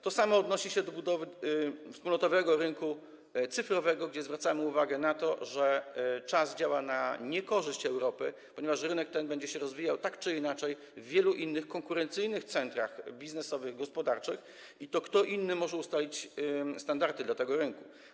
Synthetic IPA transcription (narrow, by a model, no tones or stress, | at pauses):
t̪ɔsamɔːd̪nɔɕiɕɛd̪ɔbud̪ɔvɘfspulnɔt̪ɔvɛɡɔɾɘnku | t̪sɘfɾɔvɛɡɔɡd͡ʑɛzvɾat̪samɘuvaɡɛnat̪ɔʐɛt͡ʂazd͡ʑawanaɲɛkɔʐɘɕt͡ɕɛwɾɔpɘpɔɲɛvaʂɾɘnɛk̚t̪ɛnbɛɲd͡ʑɛɕɛɾɔzvʲijawt̪akt͡ʂɘinat͡ʂɛj | vːʲjɛluʔinːɘxkɔŋkuɾɛnt̪sɘjnɘxt̪sɛnt̪ɾaxbʲiznɛsɔvɘɣɡɔspɔd̪aɾt͡ʂɘx | it̪ɔkt̪ɔʔinːɘmɔʐɛust̪alʲit͡ɕst̪and̪aɾt̪ɘd̪lat̪ɛɡɔɾɘŋku